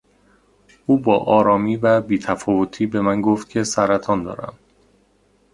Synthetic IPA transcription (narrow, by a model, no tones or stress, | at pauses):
uːbɒːʔɒːɾɒːmiːvæbiːt̪ʰæfɒːvot̪ʰiːbe̞mænɡoft̪̚kcʰe̞sæɾæt̪ʰɒːnd̪ɒ̰ːɾæ̰m